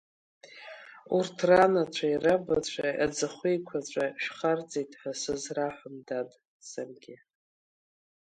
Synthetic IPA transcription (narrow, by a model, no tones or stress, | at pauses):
urtʰranat͡ʃʷʰairabat͡ɕʷʰajad͡zɨχʷejkʷʰat͡ɕʷʼaʃᶣχart͡sʼejtʼħasɨzraħʷʊmdadʼ | sarɡʲɪ